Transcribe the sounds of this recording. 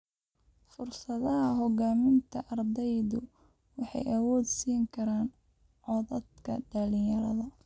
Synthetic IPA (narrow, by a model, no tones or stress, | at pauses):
fʊrsɐðɐɦɐɦɔɣaːmɪnt̪ʰɐʔɐrd̪ɛjðʊ | wɑħɑ̰jɐwɔːd̪siːŋkʰɐɾaːn | ʕɔðɐd̪kʰɐ̰ɖɐlɪjɐɾɐðɐ